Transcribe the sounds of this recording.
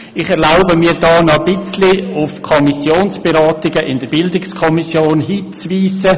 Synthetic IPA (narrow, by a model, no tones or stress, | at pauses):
ɪχɛʁlaʊbəmiːdɑːnɔb̥ɪt͡sliʊfkʰɔmisjoːnsb̥eɾɑːtɪɡəʔɪndəɾbɪldɪkskʰɔmisjoːnɦiːt͡sviːsə